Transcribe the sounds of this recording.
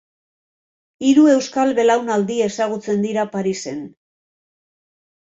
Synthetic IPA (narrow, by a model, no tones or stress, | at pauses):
iɾue̞wskalβe̞lawnald̪ie̞saɣ̞ut͡se̞nd̪iɾapaɾise̞n